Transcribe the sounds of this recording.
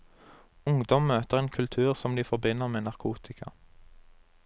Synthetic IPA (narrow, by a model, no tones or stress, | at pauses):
ʊŋd̪ɔmːøːt̪əʁeːnkʰʉlt̪ʰʉːʁsɔmd̪iːfɔʁbɪnəʁmeːnɑʁkʰuːt̪ʰɪkʰɑ̰